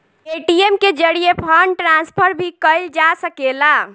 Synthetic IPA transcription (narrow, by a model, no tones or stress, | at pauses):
eʈiemked͡ʒəɽiepʰəɳɖʈɾãnspʰəɾbʱikəjld͡ʒasəkela